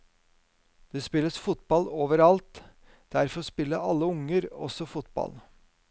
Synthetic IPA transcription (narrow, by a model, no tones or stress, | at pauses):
d̪̥espɪlːəsfʊt̪bɑloːʋəɾɑlt̪ | d̪̥æɾfɔspɪlːəɑ̰lːəʊŋəɾɔ̰sɔfʊt̪̚bɑ̰l